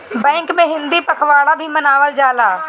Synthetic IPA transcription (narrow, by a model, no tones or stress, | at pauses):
bɛ̃ːŋkmẽɦɪ̃nd̪iːpəkʰʋaːɽabʱimənaːʋəld͡ʒaːlaː